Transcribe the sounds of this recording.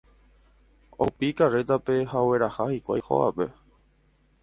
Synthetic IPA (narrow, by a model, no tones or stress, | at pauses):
o̰pikaɾet̪ape̞haowe̞ɾahahikʷa̰jho̰ʋa̰pe̞̰